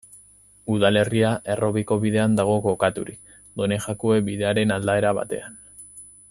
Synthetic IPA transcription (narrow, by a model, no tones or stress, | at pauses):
uðale̞riaʔe̞ro̞βiko̞βiðe̞and̪aɣ̞o̞ko̞kat̪uɾik | d̪o̞ne̞ʝakoe̞biðe̞aɾe̞nald̪ae̞ɾaβa̰t̪e̞̰an